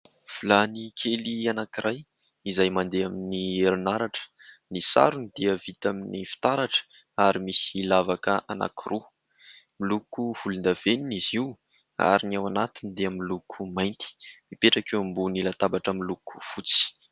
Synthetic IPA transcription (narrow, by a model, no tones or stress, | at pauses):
v̥ulanikʰelianakiɾʔaj | izajmand̪eaminieɾunaɾaʈ͡ʂə̥ | nisa̰ɾunid̪̥iəv̥it̪aminifi̥t̪aɾaʈ͡ʂə̥ | aɾimisilavakəʔana̰kʰirʔu | milukuhulund̪av̥eniniziw | a̰ɾinawanat̪inid̪eəmilukʰumajnt̪i̥mipeʈ͡ʂakewambunilat̪abaʈ͡ʂəmiluku̥fut͡si̥